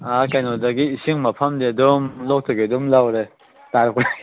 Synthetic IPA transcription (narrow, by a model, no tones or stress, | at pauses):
akajnodaɡiːsiŋmɐpʰɐmdedumlɔk̚tɯɡedumlawɾe | taɾɯkɾe